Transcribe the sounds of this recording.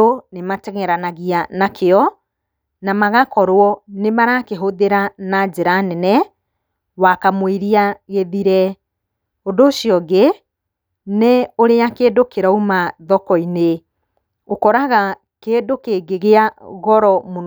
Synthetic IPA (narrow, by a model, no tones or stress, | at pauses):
onematɛɣɛɾanaɣianakʰeɔ | namaɣakɔɾwɔnemaɾakeɦoðeɾanad͡ʑeɾanɛnɛ | wakamweɾiaɣeðiɾɛ | ondoːʃiɔɡe | neoɾeakeːdokeɾɔumaðɔkɔine | okɔɾaɣa | keːdokeɡeɣeaɣɔɾɔmon